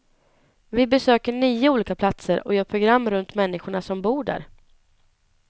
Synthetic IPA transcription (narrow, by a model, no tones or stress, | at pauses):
vɪbɛsøːkəɳyːəuːliːkapʰlat̪səɾɔjœːɾpʰɾʊɡɾamːɾɵnt̪mɛnːɪɧʊɳasɔmbuːɖæ̰ːɾ